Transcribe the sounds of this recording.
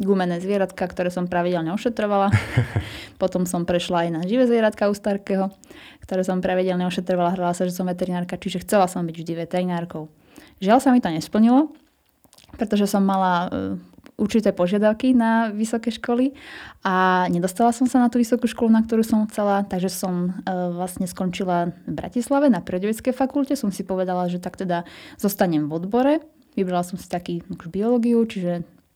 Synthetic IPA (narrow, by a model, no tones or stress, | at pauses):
ɡumɛnɛːzʋɪɛɾat̪kakt̪ɔɾɛːsɔmpɾaʋiɟɛlɲɛɔʃɛt̪ɾɔʋala | pɔt̪ɔmsɔmpɾɛʃlaːjnaʒiʋɛzʋɪɛɾat̪kaust̪aɾkɛɦɔkt̪ɔɾɛːsɔmpɾaʋiɟɛlɲɛɔʃɛt̪ɾɔʋalaɦɾalasaʒɛsɔmʋɛt̪ɛɾinaːɾkat͡ʃiʒɛxt͡sɛlasɔmbiɟvʒd̪iʋɛt̪ɛɾinaːɾkɔʊ | ʒɪalsamit̪ɔɲɛspl̩ɲilɔ | pɾɛt̪ɔʒɛsɔmːala | ʔuɾt͡ʃit̪ɛːpɔʒɪad̪aʊkinaʋisɔkɛʃkɔliʔaɲɛd̪ɔst̪alasɔmsanat̪uːʋisɔkuʃkɔlunak̚t̪ɔɾuːsɔmxt͡salat̪aɡʒɛsɔmʋlasɲɛskɔɲt͡ʃilavbɾa̰cislaʋɛnapɾiɔɟɔʋɛt͡skɛjfakulcɛsɔmsipɔʋɛd̪alaʒɛt̪akt̪ɛd̪az̥ɔst̪aɲɛmvɔd̪bɔɾɛ | ʋibɾalasɔmsi̥t̪akiːakuʒbiɔlɔːɡiut͡ʃiʒɛ